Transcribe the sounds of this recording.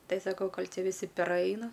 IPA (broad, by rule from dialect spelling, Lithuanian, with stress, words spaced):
ˈtɐɪ ˈsɑːkɐʊ ˈkoːlʲ ˈtʲɪ ʋʲɪˈsʲɪ pʲɛˈrɐɪnɐ